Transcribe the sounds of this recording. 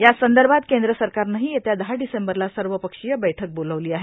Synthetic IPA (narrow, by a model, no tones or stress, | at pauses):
jasənd̪əɾbʱat̪kend̪ɾəsəɾkaɾnaɦijet̪jad̪əɦaɖisembəɾlasəɾʋəpəkʂijəbəjʈʰək̚boləʋliːaɦe